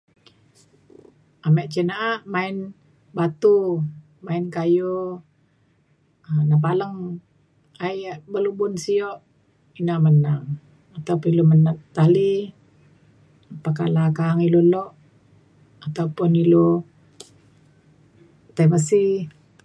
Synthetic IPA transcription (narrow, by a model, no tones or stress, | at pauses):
amɛʔt͡ʃənaʔːʔmain | bat̪u | mainkajo | ənap̬aləŋ | aiʔbəlubʊnsiɔʔ | inaʔmənaŋ | at̪aupʊnilomənat̪ali | pakalakaːŋilolɔʔ | at̪aupʊnilo | t̪ajməsi